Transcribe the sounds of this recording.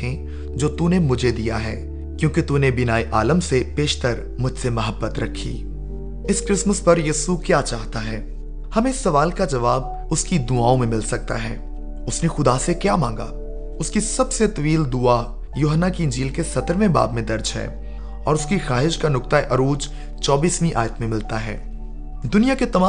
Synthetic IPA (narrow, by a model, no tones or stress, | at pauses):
ẽ | d͡ʒoːt̪unemʊd͡ʒʱed̪ijaɦɛ̰ː | kjõːkit̪uːnebɪnaːiʔaːləmsepeːʃt̪əɾ | mʊd͡ʒʱsemɐɦəbːət̪ɾɐkʰḭː | ɪskɾɪsməspɐɾjiːsukjaːt͡ʃaːɦt̪aɦɛː | hɐmẽɪsːɐʋaːlkad͡ʒɐʋaːb̚ | ʊskid̪ʊaːõmẽmɪlsɐk̚t̪a̰ɦɛ̰ː | ʊsnexʊd̪asekjaːmãːŋɡa̰ː | ʊskisɐbset̪ɐʋiːld̪ʊa | joːɦənːakiɪ̃nd͡ʒiːlkesɐt̪əɾʋẽba̰ːbmẽd̪ɐɾd͡ʒɦɛ̰ː | ɔːɾʊskixaːɦɪʃkanʊk̚t̪aeʔɐɾuːd͡ʒ | t͡ʃɔːbiːsmĩʔa̰ːjət̪mẽmɪlt̪aɦɛ̰ː | d̪ʊnijaket̪ɐmãː